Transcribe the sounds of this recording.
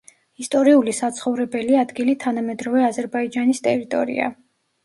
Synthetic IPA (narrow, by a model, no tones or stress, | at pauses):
ist̪ʼɔɾiulisat̪sʰχɔvɾɛbɛliad̪ɡilit̪ʰanamɛd̪ɾɔvɛazɛɾbaid͡ʒanist̪ʼɛɾit̪ʼɔ̰ɾḭa̰